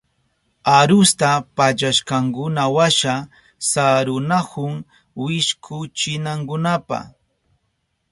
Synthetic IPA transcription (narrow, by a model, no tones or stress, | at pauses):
aɾʊst̪apat͡ʃaʃkɑŋkʊnawaʃa | saɾʊnahʊŋ | wɪʃkʰʊt͡ʃɪnaŋkʊnapa̰